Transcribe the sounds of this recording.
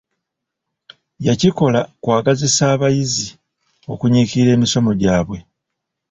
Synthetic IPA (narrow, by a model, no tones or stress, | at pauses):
jaciko̞lakwaːɡazisaːβajizi | o̞̰kuɲiːkiɾe̞ːmiso̞mo̞ɟaːβwe̞